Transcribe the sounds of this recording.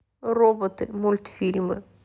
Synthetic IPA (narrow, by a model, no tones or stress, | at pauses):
rɔbɔt̪ɪmʊlʲt̪fʲilʲmɨ